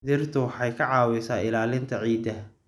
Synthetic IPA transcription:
ðɪrt̪ʰʊwħɑjkʰɐʕɑːwɛsaːɪlaːlɪnt̪ʰɐʕiːd̪ɐ

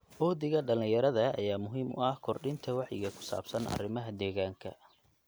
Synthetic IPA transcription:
ʔɔːðɪɣɐɖɐlɪ̃jɐɾɐðɐ̰ːjaːmʊɦiːmʊ̰ɐhkʰɔrɖɪnt̪ʰɐwɑħjɪɣɐkʰʊ̥sa̰ːbsɐnʔɐ̰rɪmɐɦɐd̪ɛːɣaːŋkʰɐ̰

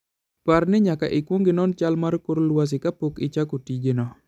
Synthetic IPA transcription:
parnɪɲaka̰ʔɪkwoŋɡɪnɔnt͡ʃalmaɾkʊɾoluwas̬ɪkapʊkɪt͡ʃakutid͡ʒenɔ

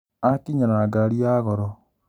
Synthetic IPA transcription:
akiɲaɾaɡaɾiaɣɔɾɔ

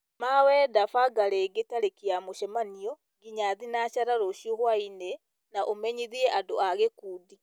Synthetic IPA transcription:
mawɛːdafaɡaɾeɡetaɾekiamoʃɛmanio | ɡiɲaðinaʃaɾaɾoʃjohwaine | naʔomeɲiðiɛʔadoaɣekuːdi

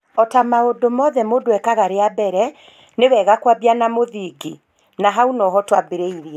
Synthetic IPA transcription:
ɔtamaodomɔðɛmoːdwɛkaɣaɾeabɛɾɛ | newɛɣakwabianamoðiːɡi | naɦaunɔɦɔtwabeɾeiɾiɛ

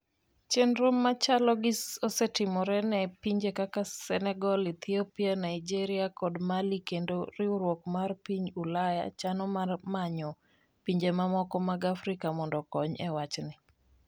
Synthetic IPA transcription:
t͡ʃenɾomːat͡ʃalɔɡɪsosɛtɪmɔɾɛnɛpiɲd͡ʒekakasɛnɛɡɔlit̪iopianaɪd͡ʒeɾɪakɔdmalikendoɾɪuɾwokmarpiɲulaja̰t͡ʃanɔmarmaɲɔ | piɲd͡ʒemamɔkɔmaɡafɾɪkamɔndɔkɔɲɛwat͡ʃnɪ

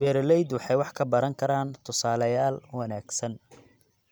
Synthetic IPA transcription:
wɛːɾlɛjd̪wɑħɑjwɑħkʰɐbɐɾɐŋkʰɐɾaːnt̪ʰʊsaːlɐjaːlwɑnaːɡsɐn

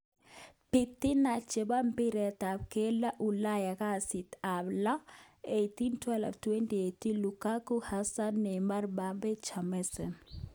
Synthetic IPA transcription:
pitːinat͡ʃebampiɾɛtap̚kɛlaʔulajakasitablaejtintwɛlɛ̰ftuwɛntietilukakuhasanːɛmaɾbabɛt͡ʃamɛsɛn

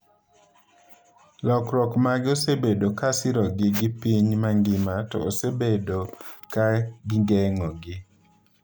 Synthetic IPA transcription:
lɔkɾɔkmaɡɪosebedokasɪɾɔɡɪɡɪpiɲmaŋɡɪmatɔ̰osebedokaɡɪŋɡɛŋɔɡɪ

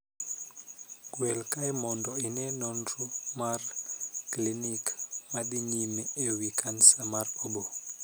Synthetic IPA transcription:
ɡwɛlkajmɔndɔinɛnɔnɾumarklinikmaɗiɲimeewikansamarobo

